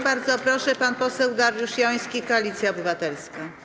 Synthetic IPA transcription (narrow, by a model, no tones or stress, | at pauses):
baɾd̪zɔpɾɔʂɛpanpɔsɛwd̪aɾjuʂjɔ̃j̃skʲikɔalʲit̪sʲjaɔbɘvat̪ɛlska